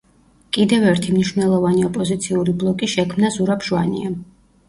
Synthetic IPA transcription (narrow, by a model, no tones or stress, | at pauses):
kʼid̪ɛvɛɾt̪ʰimniʃwvnɛlˠɔvaniɔpʼɔzit̪sʰiuɾiblˠɔkʼiʃɛkʰmnazuɾapʰʒwanḭa